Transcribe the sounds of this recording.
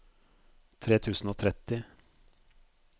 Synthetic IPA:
t̪ʰɾeːt̪ʰʉːsn̩oːt̪ʰɾɛt̪ɪ

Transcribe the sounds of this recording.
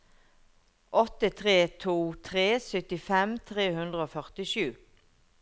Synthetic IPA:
ʔɔt̪ət̪ʰʁeːt̪ʰuːt̪ʰʁeːsʏt̪ɪfɛmt̪ʰʁeːhʉnd̪ʁəoːfœʁt̪ɪʃʉː

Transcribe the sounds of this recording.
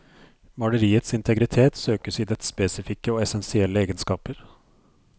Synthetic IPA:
mɑɖəɾiːət̪sɪnt̪ʰəɡɾɪt̪ʰeːt̪søːkəsiːd̪ɛt̪speːsɪfɪkːəoːɛsɛnsɪɛlːəeːɡənskɑːpəɾ

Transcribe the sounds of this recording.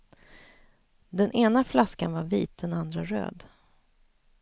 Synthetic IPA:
d̪ɛnʔeːnaflaskanvaɾviːt̪̚d̪ɛnand̪ɾaɾø̰ːd̪

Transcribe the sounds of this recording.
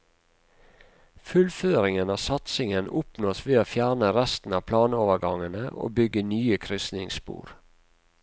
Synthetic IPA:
fʉlføːɾɪŋənɑːsɑt̪sɪŋənʊpnoːsʋeːoːfjæːɳəɾæst̪n̩ɑːpʰlɑːnoːʋəɡɑŋənəʔo̰ːbʏɡənyːəkʰɾʏsnɪŋspṵːɾ

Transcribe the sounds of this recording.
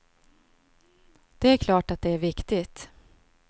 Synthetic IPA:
d̪̥ɛæɾkʰlɑːʈat̪̚d̪ɛæɾvɪkt̪ɪt̪

